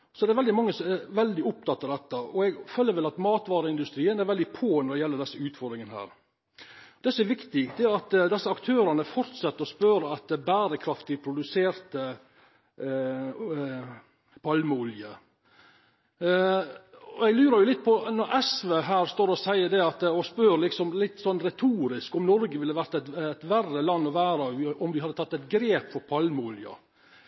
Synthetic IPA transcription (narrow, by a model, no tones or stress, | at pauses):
sɔd̪ɛæɾʋɛld̪ɪmɑŋːəsɔmɛɾʋɛld̪ɪʊp̚t̪ʰɑt̪ːɑd̪ɛt̪ːəɔɛɡføːlːəɾʋɛlɑt̪mɑːt̪ʋɑːɾəɪnd̪ʉst̪ɾiːənæɾʋɛld̪ɪpʰoːnɔɾɖ̪ɛjɛlːəɖ̪ɛsːəʉːt̪fɔɾd̪ɾɪŋənɦæ̰ːɾ | ɔd̪ɛsɔɛɾʋɪkt̪ɪd̪ɛæɾɑt̪d̪ɛsːəɑkt̪ʰøːɾɑnəfɔɾt̪sɛt̪ːəɾspøːɾəɑt̪̚d̪ɛbæːɾəkʰɾɑft̪ɪpʰɾʊd̪ʉseːɾt̪ə | pʰɑlməʊljə | ɔɛɡlʉːɾɑɾjʊlɪt̪̚ːpʰɔnɔɾʔɛsʋeɦæːɾst̪oːɾɔsæɪəɖ̪ɛɑt̪ɔspøɾlɪksɔmlɪt̪ːsɔnːɾɛt̪ʰuːɾɪskɔmnɔɾɡəʋɪlːəʋæɾt̪ɛt̪ɛt̪ʋærəlɑnːɔʋæːɾɑʋɔmʋɪhɑd̪ːət̪ʰɑt̪ːɛɪt̪ɡɾeːpfɔɾpʰɑlməʊljɑ̰